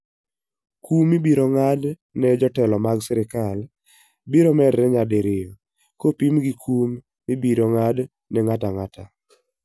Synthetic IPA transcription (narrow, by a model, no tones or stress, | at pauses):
kumːibiɾoŋad | nɛd͡ʒɔtɛlɔmaɡsɛɾɪkal | biɾomɛdːɛɲadeɾɪjo | kopimɡikʰumː | ibiɾoŋad | nɛŋataŋata